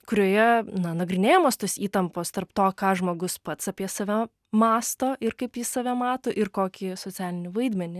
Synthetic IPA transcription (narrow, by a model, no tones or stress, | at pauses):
kʊɾʲoɔjɛnɐnɐɡɾʲɪnʲeːjoːmoːst̪oːsiːt̪ɐmpoːst̪ɐrpt̪oːkɑːʒmoːɡʊspɐt̪sɑpʲiɛsɐʋʲɛ | mɑːst̪oːʔɪɾkɐɪpjɪssɐʋʲɛmɑːt̪oːʔɪɾkoːkʲɪsoːt͡ssʲæːlʲɪnʲɪʋɐɪd̪ʲmʲɛnʲɪ